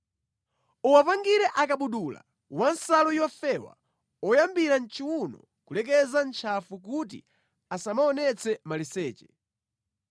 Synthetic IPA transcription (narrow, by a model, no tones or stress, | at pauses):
uwapaŋɡiɾɛʔakaɓuɗula̰ | wansalɔjɔfɛwa̰ | ɔjambiɾan̩t͡ʃʰiwunɔ̰ | kulɛk̬ɛzant͡ʃʰafuk̬utḭ | asamaɔnɛt͡sʰɛmalisɛːt͡ʃɛ̥